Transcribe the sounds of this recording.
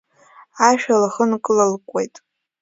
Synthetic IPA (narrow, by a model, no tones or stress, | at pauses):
aʃᶣalaχənkʼɨlɨlkʷʼe̞jtʼ